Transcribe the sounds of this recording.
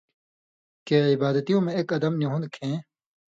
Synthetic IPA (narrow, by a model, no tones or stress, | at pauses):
keːibaːd̪ɐt̪ijõːmẽekɐd̪ɐmniɦũnd̪kʰẽː